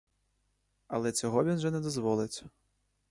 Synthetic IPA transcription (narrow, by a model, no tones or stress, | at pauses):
ɐlˠɛt͡sʲɔɣɔvʲinʐɛnʲɛd̪ɔzʋɔlˠɨt͡sʲ